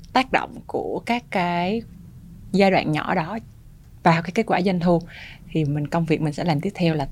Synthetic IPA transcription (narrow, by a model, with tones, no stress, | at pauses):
t̪aː˦˥k̚ɗo̰˧˨wŋ͡mku˧˩əkaː˦˥kːaː˨˦j | zaː˧jɗwa̰ː˧˨nɲɔ̰˧˩ɗɔ˨˦ | vaː˨˩wkaː˨˦jke˦˥t̚kwaː˧˩zə˧nt̪ʰu˧t̪ʰi˨˩mï˨˩ŋ̟kə˧wŋ͡mvi˨˩ək̚mi˨˩ŋ̟sɛ̰˧˥laː˨˩mt̪i˦˥əp̚t̪ʰɛ˧wlaː˨˩